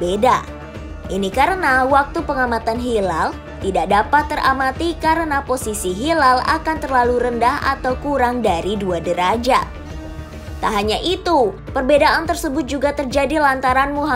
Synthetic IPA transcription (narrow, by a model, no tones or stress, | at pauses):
beda | ʔinikaɾənawak̚t̪upəŋamat̪anɦilal | t̪idaʔ̚dapat̪ːəramat̪ikaɾənaposisiɦilala̰kant̪ərlaluɾəndaha̰t̪awkuɾaŋdaɾiduadəɾad͡ʒa | t̪aɦaɲaʔit̪u | pərbedaʔant̪ərsəbʊt̪̚d͡ʒuɡat̪ərd͡ʒadilant̪aɾanmuɦa